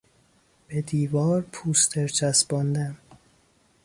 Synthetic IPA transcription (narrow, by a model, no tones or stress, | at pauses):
b̥ed̪iːvɒːɾpʰuːst̪ʰeɾt͡ʃʰæsbɒnd̪æm